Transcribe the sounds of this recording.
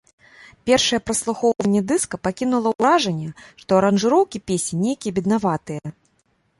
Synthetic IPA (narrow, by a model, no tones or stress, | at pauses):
pʲɛrʂɐjɛpɾɐslˠuxɔwvɐnʲːɛd̪ɨskɐpakʲinulˠɐɾaʐɐnʲːɛʂt̪ɔɐɾɐnʐɨɾɔwkʲipʲesʲinʲejkʲijɛbʲid̪navat̪ɨjɛ